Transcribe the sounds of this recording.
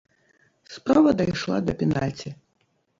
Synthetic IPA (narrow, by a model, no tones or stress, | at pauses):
spɾavɐd̪ajʂlˠa̰d̪ɐpʲɛnalʲt͡sʲi